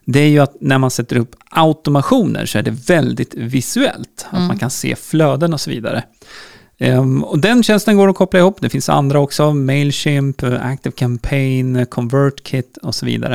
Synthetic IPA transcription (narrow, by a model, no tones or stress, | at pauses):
d̪ɛæɾjɵat̪næɾmansɛt̪ːəɾɵpːaʊt̪ʊmaɧuːnʔə̰ɾʂɔæɖɛvɛld̪ɪt̪vɪsʉɛ̰lt̪at̪mankʰansḛːfløːd̪ənɔsɔvḭːd̪a̰ɾə | ɔd̪ɛnɕɛnst̪ənɡoːɾɔkʰɔpːlaɪhuːpːd̪ɛfɪnsa̰nd̪ɾaɔksɔmeɪlɕɪmpæ̰k̚t̪ɪvkʰɛmpʰejnkʰɔnvœɾʈkʰɪt̪ːɔsɔvḭːd̪a̰ɾə